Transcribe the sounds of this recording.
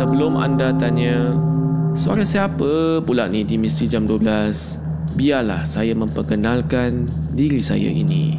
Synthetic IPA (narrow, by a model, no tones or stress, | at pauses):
səbəlʊma̰ndat̪aɲə | səa̰ɾasiapəpulaʔnidimist̪ɾid͡ʒamduəbəlas | biala̰hsajamə̃mpərkənãlkan | diɾisa̰ja̰ʔḭnḭ̃